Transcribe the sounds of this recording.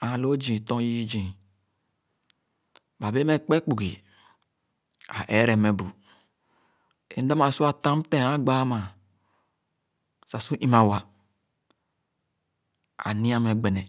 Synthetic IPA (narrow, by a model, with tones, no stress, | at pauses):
a˨lo˦d͡ʒĩ˨tɔ̃˦ji˦d͡ʒĩ˨ | ba˨be˦me˦k͡pe˦k͡pu˨ɡi˨ | a˨ʔe˦ɾɛ˨me˨bu˨ | ḛ˨˦da˦ma˨su˦a˨tã˦m˦tẽ˦˨a˦ɡ͡ba˦ma˨ | sa˨su˦ʔi˦ma˨wa˨ | a̰˨nĩ˦a˦me˨ɡ͡be˨nɛ˨